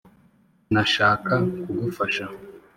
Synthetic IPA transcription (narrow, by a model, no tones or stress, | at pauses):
naʃaːkakuɡufaʃaho